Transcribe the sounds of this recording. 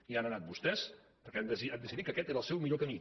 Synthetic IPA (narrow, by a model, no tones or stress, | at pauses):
ianənat̪̚bust̪ɛs | pəɾkɛɛd̪əsiad̪əsiðikəkɛt̪eɾəlˠsɛwmiʎokəmi